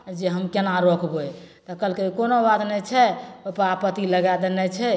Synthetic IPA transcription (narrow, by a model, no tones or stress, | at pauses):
d͡ʒeɦəmkenaɾokbo | t̪ɔkəlkeikonobat̪nɛt͡ʃʰɛəpapət̪iləɡad̪enɛt͡ʃʰɛ